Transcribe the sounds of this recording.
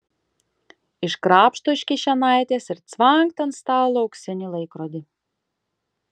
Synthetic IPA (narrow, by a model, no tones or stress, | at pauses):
iʃkɾaːpʃt̪uʃʲkʲiʃʲanajt̪ʲesiɾt̪svaŋk̚t̪anst̪aːlˠɔwksʲɛnʲilˠɛjkɾɔd̪ʲi